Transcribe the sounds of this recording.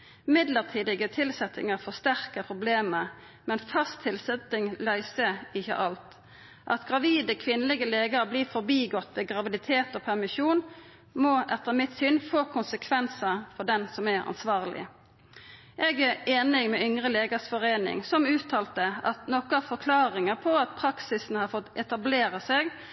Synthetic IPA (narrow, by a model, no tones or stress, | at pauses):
mɪd̪ləʁt̪ʰiːd̪ɪɡət̪ʰɪlsɛt̪ɪ̰ŋəʁfɔst̪æʁkəpʰʁʊbleːmə | mɛnfɑst̪ʰːɪlsɛt̪ɪŋlœʏsəɪçːə̰ʔɑlt̪ | ʔɑ̰t̪ɡʁɑʋiːd̪əkʰʋɪnələɡəleːɡəʁbliːfɔʁbiːɡɔt̪ːʋɪɡʁɑʋɪd̪ɪt̪ʰeːt̪oːpʰæʁmɪʃuːn | mɔʔɛt̪ːəmɪt̪synfoːkʰʊnsəkʰʋɛnsəfɔd̪ɛnsɔmæɾɑ̰nsʋɑːʁlɪ̰ | ʔɛɡæɾeːnɪŋmɛʏŋʁəleːɡəsfɔʁeːnɪ̰ŋsɔmʉːt̪ʰɑːlt̪əɑt̪nɔkəɑʋfɔkʰlɑːʁɪŋəpʰɔɑt̪pʰʁɑksɪsn̩hɑfɔt̪ɛt̪ɑbleːɾəseɡ